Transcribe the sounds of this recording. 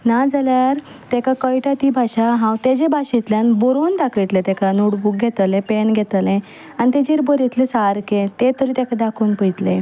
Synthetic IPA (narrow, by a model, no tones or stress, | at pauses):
nad͡zaljaɾ | t̪ɛkakəjʈat̪ibʱaɕaɦãwt̪ed͡ʑebʱaɕit̪ljanbɔɾond̪akʰʋit̪let̪ɛkʰanuɽbuːk̚ɡʱet̪lẽpenɡʱɛt̪lẽ | añit̪ed͡ʑeɾbəɾit̪lesaɾket̪et̪əɾiːt̪akʰad̪akʰoːnpəjt̪le